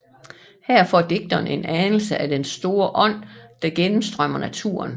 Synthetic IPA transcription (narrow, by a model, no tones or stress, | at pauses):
hæɐ̰fɒd̥e̝ɡ̥̚d̥ɒne̝nænl̩səʔæd̥ensd̥o̝ːɐʔɒ̽n̰d̥ɑ̈ɡ̥enm̩sd̥ʁɶm̰ɐnæt͡sʰuɐ̰n